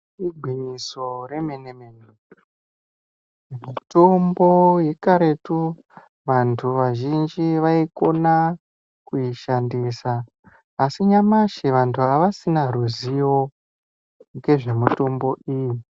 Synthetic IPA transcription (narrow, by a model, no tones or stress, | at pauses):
iɡʱwiɲiso̞ɾe̞meneme̞ne | mito̞mbo̞je̞kaɾe̞tu | ʋantʰuʋaʒind͡ʒiʋaiko̞na | kuiʃandisaː | siɲamaʃeʋantʰuaʋasinaruzijo̞ | ŋɡe̞ʐe̞muto̞mbo̞ʔiːji